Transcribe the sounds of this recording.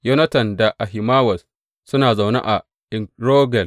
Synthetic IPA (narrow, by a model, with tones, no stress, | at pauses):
jo˦nɐ˦tɐ˨nda˨ʔa˨ɦɪ˨maː˦wɐ˨s | sʊ˦naː˨za˨wna̰˦ʔa˨ | ʔɪ˨ŋɾoː˦ɡɛ˨l